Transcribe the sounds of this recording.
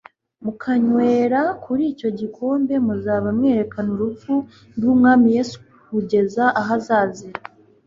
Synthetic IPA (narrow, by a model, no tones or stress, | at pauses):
mukʰaɲweːɾakʰuɾiːco̞ɟikʰo̞ːmbe̞muzaːβamŋe̞ːɾe̞kanuɾup͡fu | ɡuːmŋaːmije̞su̥ | kuɟe̞zaʔaɦazaːziɾ